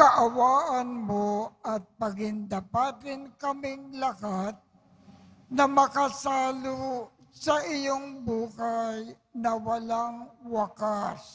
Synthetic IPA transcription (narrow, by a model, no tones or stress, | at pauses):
kɐʔɐwaːʔɐnmoɐt̪̚pɐɡɪŋd̪ɐpat̪ɾɪnkɐmɪŋlɐhat̪̚ | nɐmɐkɐsaːlosɐʔɪjoŋbuːhaj | nɐwɐlaŋwakas